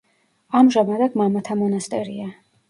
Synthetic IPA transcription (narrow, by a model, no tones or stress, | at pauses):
amʒamad̪aɡ̪mamat̪ʰamɔnast̪ʼɛɾia